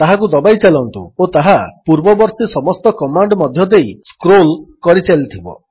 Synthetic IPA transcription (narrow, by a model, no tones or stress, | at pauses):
t̪aɦakud̪ɔbajt͡ʃalɔnt̪ṵot̪aɦapuɾbɔbɔɾt̪isɔmɔst̪ɔkɔmaɳɖmɔd̪ʱjɔd̪ejskɾolkɔɾit͡ʃalit̪ʰibɔ̰